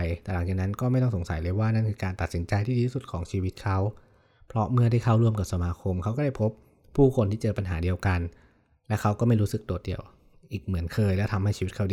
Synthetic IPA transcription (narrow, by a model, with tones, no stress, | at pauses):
jt̪ɛ˨˩la˩˦ŋt͡ɕaː˨˩k̚na˦˥nkɔː˥˩ma˥˩jt̪ɔ˥˩ŋso˩˦ŋsa˨˩˦jlɤː˧jwaː˥˩na˥˩nkʰɯː˧kaː˧nt̪a˨˩t̪̚si˩˦nt͡ɕa˧jt̪ʰiː˥˩iː˧iː˥˩su˨˩t̪̚kʰɔː˩˦ŋt͡ɕʰiː˧wi˦˥t̪̚kʰa˦˥w | pʰɾɔ˦˥mɯ˥˩ɐdaː˥˩jkʰa˥˩wɾu˥˩əmka˨˩p̚sa˧maː˧kʰo˧mkʰa˦˥wkɔː˥˩da˥˩jpʰo˦˥p̚ʰː | uː˥˩kʰo˧nt̪ʰiː˥˩t͡ɕɤː˧pa˧nɦa̰ː˩˦di˧əwka˧n | lɛ˦˥wkʰa˦˥wkɔː˥˩ma˥˩jɾuː˦˥sɯ˨˩k̚t̪u˨˩ət̪̚di˧əw | ʔiː˨˩k̚mɯ˩˦ənkʰɤː˧jlɛ˦˥wt̪ʰa˧mha˥˩jt͡ɕi˧w̪̚kʰa˥˩diː˧